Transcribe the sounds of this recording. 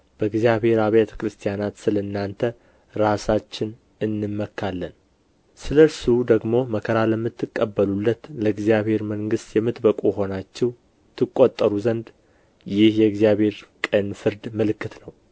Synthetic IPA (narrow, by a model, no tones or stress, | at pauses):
b̥əɨɡzijaβhe̞ɾaβjɛt̪ʰə̥kɾɨst̪ʰijanat̪sɨlənːant̪ʰə | ɾasat͡ʃːɪn | ɨnːɨmːəkʰːalːən | sɨləɾsud̪əɡmo̞məkʰəɾaləmːɨt̪ːɨkʼːəbːəlulːət̪ləɨɡzjaβhe̞ɾməŋɡɨst̪jɛmːɨt̪bəkʼujɦo̞nat͡ʃːɛw | t̪ʰɨkʼːot̪ʼːəɾuzənd̪ | jɪhjɛɨɡzijaβhe̞ɾkʼənfɨɾd̪məlɨkʰːɨt̪nəw